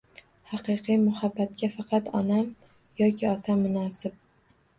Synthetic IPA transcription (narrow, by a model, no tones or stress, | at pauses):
hɑqɨjqʰɨjmʊhabːat̪kʲafɑqʰɑt̪ɒnam | jɒkʲʰɪɒt̪ʰamːʊnɒːsɪb̚